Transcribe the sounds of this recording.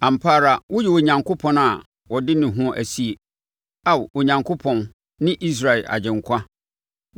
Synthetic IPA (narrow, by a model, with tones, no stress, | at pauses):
ã˨m̩˨pʰaː˦˨ɾa˨wɔ˦jɛ˨o˨ɲã˨ŋkʰʊ˦pʰɔ̃˨na˨ | wɔ˨dɪ˦nɪ̃˨ɦʊ̃˦ʔæ̰˨si˦e˨ | a˦˨wo˨ɲã˨ŋkʰo˦pʰɔ̃˨n | nɪ̃˦ʔi˦s̬ɾa˨ɛ˨ʔa̰˨d͡ʑɪ̃˨ŋkʷʰa˦